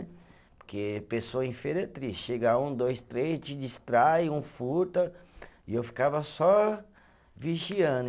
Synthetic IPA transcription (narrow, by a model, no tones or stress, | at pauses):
poɾkepesoɐĩfeɾet̪ɾisʃeɡaũd̪ojst̪ɾejst͡ʃɪd͡ʒist̪ɾaiũfut̪ɐiewfi̥kavɐsɔ | viʒiɐ̃d̪